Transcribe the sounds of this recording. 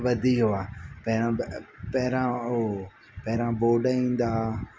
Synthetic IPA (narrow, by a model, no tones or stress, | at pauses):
ʋɐd̪ʱiɦʊaːpɛɾãpɛɦɪɾão | pɛɦɪɾãboːɖəĩːnd̪aː